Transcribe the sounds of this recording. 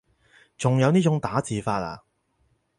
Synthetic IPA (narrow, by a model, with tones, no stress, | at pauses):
t͡sʊ˨ŋjɐ˨˧wniː˥t͡ʃʊ˨˥ŋt̪aː˨˥t͡siː˨faː˧t̚la̰ː˧